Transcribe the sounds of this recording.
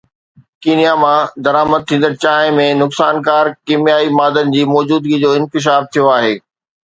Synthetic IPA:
kiːnijamãd̪ɐɾaːməd̪̚t̪ʰĩːn̆d̪əɾt͡ɕaːɦɪ̃mẽnʊksaːnkaːɾkiːmijaːimaːd̪ənɪ̆d͡ʑiːmɔːd͡ʑuːd̪ɡid͡ʑoːɪ̃nkɪʃ̬aːft̪ʰijoaːɦeː

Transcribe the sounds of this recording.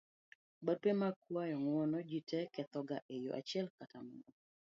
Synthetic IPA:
baɾ̚pemakwajɔŋwɔnɔd͡ʒitɛkɛt̪ɔɡaʔejo̰ʔa̰t͡ʃɪɛlkatamɔnɔ

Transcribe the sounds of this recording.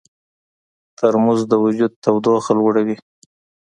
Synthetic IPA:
t̪aɾmuzd̪əwʊd͡ʒud̪̚t̪awd̪oxalwəɽawi

